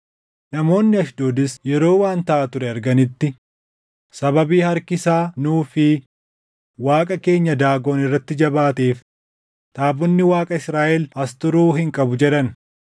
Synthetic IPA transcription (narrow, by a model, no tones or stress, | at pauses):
nɐmo̞ːnːɪɐʃd̪o̞ːd̪ɪsjɛɾo̞ːwaːnt̪ɐʔat̪ʊɾɛɐɾɡɐnɪt̪ːɪ | sɐbɐbiːhɐɾkɪsaːnuːfɪ | waːkʼɐke̞ːɲːɐd̪aːɡo̞ːnɪrːɐt̪ːɪd͡ʒɐbaːt̪eːf | t̪ʼaːbɔnːɪwaːkʼɐɪsɾaːʔɛlɐst̪ʊɾuːhɪŋkʼɐbʊd͡ʒɛᶑɐn